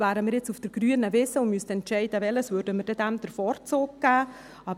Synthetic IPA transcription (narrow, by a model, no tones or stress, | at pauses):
væːɾəmɪːɾjɪt͡sufd̥əɾɡ̥ɾyənəvɪsəʊnmystɛntt͡ʃɛɪd̥əʋɛləsvøɾdəməɾdɛdæmd̥əɾfɔːɾt͡soːk̚ɡ̥æː | ɑ